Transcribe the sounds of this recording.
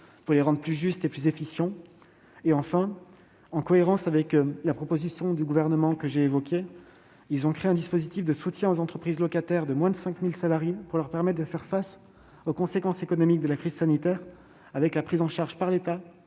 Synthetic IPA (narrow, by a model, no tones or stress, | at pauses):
puʁleʁɑ̃d̪ʁəplyʒyst̪eplyzefisjɑ̃ | eɑ̃fɛ̃ | ɑ̃kɔeʁɑ̃savɛklapχɔpozisjɔ̃d̪yɡuvɛʁnəmɑ̃kəʒeːvɔkʲe | ilzɔ̃kχeɛ̃d̪ispozit̪ifd̪əsut̪jɛ̃ozɑ̃t̪χəpχizlɔkat̪ɛʁd̪əmwɛ̃d̪əsɛ̃kmilsalaʁjepuʁlœʁpɛʁmɛt̪̚d̪əfɛʁfas | okɔ̃sekɑ̃sekɔnɔmik̚d̪əlakχizsanit̪ɛʁ | avɛklapχizɑ̃ʃaʁʒpaʁlet̪a